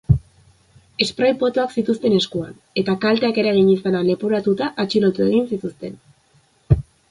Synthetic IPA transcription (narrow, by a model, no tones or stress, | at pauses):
e̞spɾajpo̞t̪o̞aksit̪ust̪e̞ne̞skua̰n | e̞t̪akalt̪eake̞ɾaɣ̞iɲisanale̞poɾat̪ut̪aʔat͡ʃilo̞t̪ue̞ɣ̞insit̪ust̪e̞n